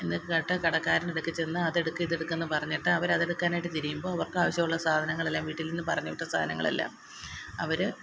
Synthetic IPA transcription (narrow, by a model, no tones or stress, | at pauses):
enːikːɨkɐʈːɐkɐɽɐkːaːɾɐneɽukːit͡ɕːenːɨɐðe̞ɽukːɨiðeɽukːenːɨpɐrɐɲːiʈːɨɐʋɐɾɐðe̞ɽukːaːnaːjiʈ̬ːɨt̪iɾijumboːɐʋɐrkɨaːʋɐɕjɐmuɭːɐsaːd̪ʱɐnɐŋːɐɭe̞lːaːmʋiːʈːilninːɨpɐrɐɲːɐʋiʈːɐsa̰ːd̪ʱɐnɐ̰ŋːɐ̰ɭḛlːa̰m | ɐ̰ʋɐɾɨ